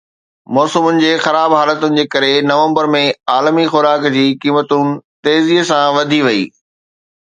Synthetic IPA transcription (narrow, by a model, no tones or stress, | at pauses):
mɔːsəmʊnɪ̆d͡ʑeːxɐɾaːbɦaːlət̪ʊnɪ̆d͡ʑeːkɐɾenɐʋə̃mbəɾmẽaːlmixʊɾaːkd͡ʑiːkiːmət̪ʊnɪ̆t̪eːzisãʋɐd̪ʱiʋɐḭː